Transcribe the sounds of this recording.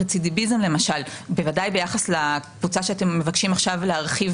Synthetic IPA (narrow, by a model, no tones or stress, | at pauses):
t͡sidibizemle̞maʃalbevadajbe̞jaχaslakvut͡saʃeatemːe̞vakʃimaχʃavleaʁχiv